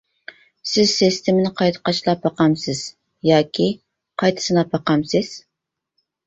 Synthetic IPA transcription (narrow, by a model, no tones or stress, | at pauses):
sɪz̥sest̪ʰɪmɪnɪqʰɑjt̪ʰə̥qɑt͡ʃlˠɑp̚ːɑqɑmsɪz̥ | jɑːkʲʰi | qʰɑjt̪ʰɨ̥sɨnɑpːɑqɑmsɪz̥